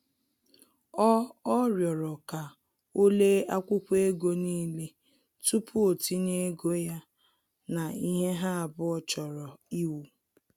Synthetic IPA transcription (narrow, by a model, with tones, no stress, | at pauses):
ɔ˦ɔ˦ɾjɔ˨ɾɔ˨ka˨ | o˦le˦a˦kʷʊ˦kʷe˦ɡo˦niː˦le˦ | tu˦pʰu˦o˨ti˦ne˦ɡo˦ja˦ | na˨i˦ɦe˦ɦa˦a˨bʊ˦ɔ˨t͡ʃɔ˨ɾɔ˨i˦wu˨